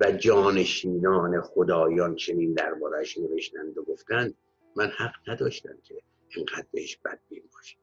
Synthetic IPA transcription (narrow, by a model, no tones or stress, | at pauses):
væd͡ʒɒːne̞ʃiːnɒːne̞xod̪ɒːjɒːnt͡ʃʰe̞niːnd̪æɾbɒːɾæʃneve̞ʃt̪ænd̪oɡo̞ft̪ænd̪̥ | mænhæɡnæd̪ɒːʃt̪æ̰mcʲʰe̞ | eŋɡæd̪̥̚be̞heʃb̥æ̰d̪̚bimbɒːʃe̥